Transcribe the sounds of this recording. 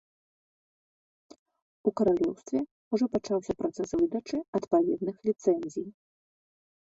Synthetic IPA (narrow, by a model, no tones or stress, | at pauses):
ukɐɾalʲɔwst̪vʲɛ | uʐɔpat͡ʂawsʲɐpɾat̪sɛsvɨd̪ɐt͡ʂɨɐt̪pavʲɛd̪nɨxlʲit̪sɛnʲzʲij